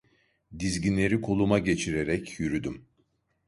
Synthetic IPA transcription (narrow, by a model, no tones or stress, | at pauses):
d̪izɟinlʲe̞ɾikʰo̞lˠumaɟe̞t͡ʃʰiɾe̞ɾɛcʰjyɾyd̪ym